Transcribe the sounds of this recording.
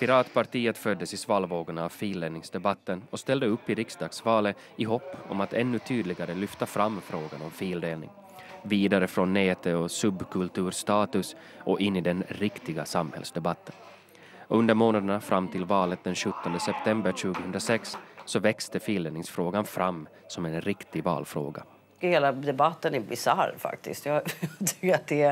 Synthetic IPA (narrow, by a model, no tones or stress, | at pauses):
pɪɾɑːt̪pʰaɾʈiːət̪fœd̪ːəsɪsvɑːlvoːɡʊɳaːvfiːld̪eːnɪŋsd̪ɛbat̪ːənɔst̪ɛld̪əɵpːɪɾɪksd̪ɑːɡsvɑːlə | ɪɦɔpːɔ̰mat̪ʰɛnːɵt̪ʰyːd̪lɪɡaɾəlʏft̪afɾamːfɾoːɡanɔmfiːld̪eːlnɪ̰ŋ | viːd̪aɾəfɾɔnːeːt̪ʰəɔsɵbkʰɵlt̪ʰʉ̟ːɾst̪ɑːt̪ɵs | ʔɔʔɪnːɪd̪ɛnɾɪkt̪ɪɡasamhɛ̰lsd̪ɛbat̪ʰːən | ɵnd̪əɾmoːnad̪əɳafɾʔamːt̪ʰɪlvɑːlət̪̚d̪ɛnɕɵt̪ːɔnd̪əsɛpt̪ʰɛmbəɾɕʉ̟ːɡəhɵnd̪ɾasɛksːɔvɛkst̪əfiːld̪eːnɪŋsfɾoːɡanfɾʔamː | sɔmɛnɾɪkt̪ɪvɑ̰ːlfɾo̰ːɡa̰ | heːlad̪ɛbat̪ːənæbɪsa̰ɾfa̰k̚t̪ɪ̰st̪jɑt̪ʰʏ̥kːəɾat̪̚d̪ɛ